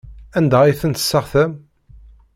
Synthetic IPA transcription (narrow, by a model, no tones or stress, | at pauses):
ænd̪æiθənt̪ə̥sːəʁθæm